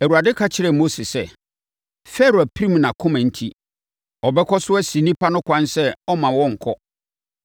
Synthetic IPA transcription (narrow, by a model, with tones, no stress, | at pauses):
æ˨wu˨a˨dɪ˦kʰa˦t͡ɕʰɪ˦ɾɛ˨mo˦se˨sɛ˦˨ | fɛ˦ɾo˨æ˨pʰi˦ɾĩ˦m˨nã˨kʰʊ̃˦mã˨n̩˦tʰi˦ | ɔ˨bɛ˦kʰɔ˦sʊ˦ɛ˦sĩ˨nĩ˦pʰa˦nʊ̃˦kʷʰã˦nsɛ˦ɔ˦mã˨wɔ̃˦ŋ̩˨kʰɔ˦